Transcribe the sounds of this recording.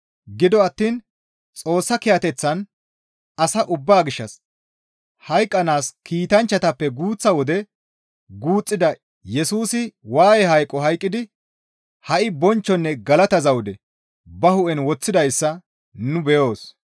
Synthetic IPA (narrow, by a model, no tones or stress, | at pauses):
ɡɪd̪ɔɐt̪ːiːn | t͡sʼo̞ːsːɐkɪjɐt̪ɛt͡sːɐn | ɐsɐʔʊbːaːɡɪʃːɐs | hɐjkʼːɐnaːskʰiːt̪ɐnt͡ʃːɐt̪ɐpːɛɡuːt͡sːɐwɔd̪ɛ | ɡuːt͡sʼːɪd̪ɐ | jɛsuːsɪwaːjɛɦɐjkʼːɔɦɐjkʼːɪd̪ɪ | hɐʔɪbɔnt͡ʃːɔnːɛɡɐlɐt̪ɐzɐwd̪ɛ | bɐhʊʔɛnwɔt͡sːɪd̪ɐjsːɐ | nʊbɛjo̞ːs